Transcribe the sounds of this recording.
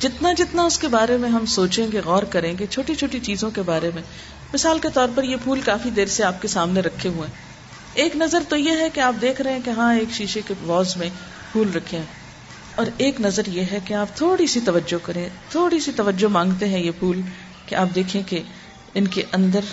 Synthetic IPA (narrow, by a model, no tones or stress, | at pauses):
d͡ʒɪt̪nad͡ʒɪt̪naʊskebaːɾemẽɦɐmsoːt͡ʃẽɡeɣɔːɾkɐɾẽːɡet͡ʃʰoːʈit͡ʃʰoːʈit͡ʃiːzõkebaːɾemẽ | mɪsaːlket̪ɔːɾpɐɾjepʰuːlkaːfid̪eːɾseaːp̚kesaːmneɾɐkʰːeɦuẽː | eːknɐzəɾt̪ojeɦɛkeaːp̚d̪eːkʰɾɐɦẽkeɦãːeːkʃiːʃekeʋɔːzmẽ | pʰuːlɾɐkʰẽ | ɔːɾeːknɐzəɾjeɦɛkeaːp̚t̪ʰoːɽisit̪ɐʋəd͡ʒokɐɾẽt̪ʰoːɽisit̪ɐʋəd͡ʒomãːŋɡt̪eɦɛ̃jepʰuːl | keʔaːp̚d̪eːkʰẽke | ɪnkeʔɐ̃nd̪əɾ